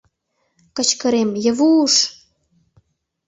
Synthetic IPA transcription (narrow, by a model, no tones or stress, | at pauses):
kə̆t͡ɕkə̆ɾemjə̆βuʃ